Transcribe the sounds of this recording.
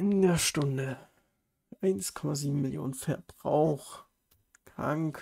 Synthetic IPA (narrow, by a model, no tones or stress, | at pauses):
ʔɪndeɐʃtʊndə | ʔaɪnskʰɔmaziːbm̩mɪljo̰ːnənfɛɐbʁa̰ʊx | ka̰ŋk